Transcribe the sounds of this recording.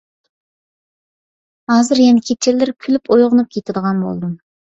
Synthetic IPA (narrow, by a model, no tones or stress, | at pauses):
hɑːzɨɾjɛnɪkʲʰet͡ʃʰɪlːɪɾkʲʰylypojʁʊnup̚kʲʰet̪ʰɪd̪əʁɑnbo̰lˠd̪um